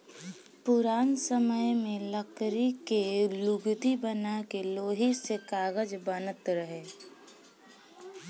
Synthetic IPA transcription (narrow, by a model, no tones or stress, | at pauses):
pʊɾaːnsəməjmẽləkɾikelʊɡd̪ibənakeloːɦisekaːɡəd͡ʒbənət̪ɾəɦeː